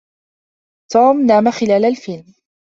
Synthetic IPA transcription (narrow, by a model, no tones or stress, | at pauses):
t̪uːmnaːmaxɪlaːlalfɪlm